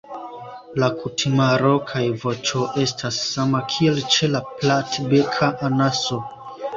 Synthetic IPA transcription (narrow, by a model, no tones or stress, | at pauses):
lakutʰimaɾo̞kʰajvo̞t͡ʃo̞ʔe̞stʰasːamakʰie̞lt͡ʃe̞laplatbekʰaʔanaso̞